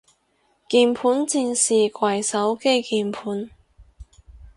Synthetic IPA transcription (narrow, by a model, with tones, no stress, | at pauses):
kiː˧npʰuː˨˥nt͡siː˧nsiː˨kwɐ˨˩jsɐ˨˥wke˥jkiː˨˧npʰuː˨˥n